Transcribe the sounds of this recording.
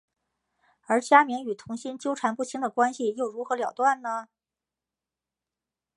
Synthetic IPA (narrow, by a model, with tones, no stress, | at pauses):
ə˞˧˥t͡ɕja˥mi˧˥ŋy˨˩t̪ʰʊ˧˥ŋɕi˥nt͡ɕjo˥ʊʈ͡ʂʰa˧˥npu˥˩ɕʰi˧˥ŋd̪ə˨kwa˥nɕi˨jo˥˩ʊɻu˧˥xɤ˧˥ljɑ˨˩ʊt̪wa˥˩nnə˩